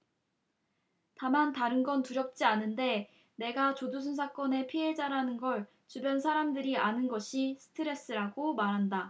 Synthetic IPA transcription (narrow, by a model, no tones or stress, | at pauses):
tamantaɾɯnɡʌntuɾjʌp̚t͡ɕ͈ianɯnde̞ | ne̞ɡat͡ɕodus̬ʰunsʰak͈ʌne̞pʰiɦe̞d͡ʑaɾanɯnɡʌɭ | t͡ɕubjʌnsʰaɾamdɯɾianɯnɡʌɕʰisʰɯ̥tʰɯɾe̞s͈ɯɾaɡomaɾɦanda